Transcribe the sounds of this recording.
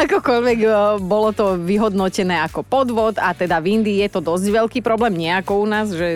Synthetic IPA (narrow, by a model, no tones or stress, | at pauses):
akɔkɔʎʋɛɡbɔlɔt̪ɔʋiɦɔd̪nɔcɛnɛːakɔpɔd̪ʋɔt̪at̪ɛd̪avind̪iːjɛt̪ɔd̪ɔzɟʋɛʎkiːpɾɔblɛːmɲɛakɔunaːzʒɛ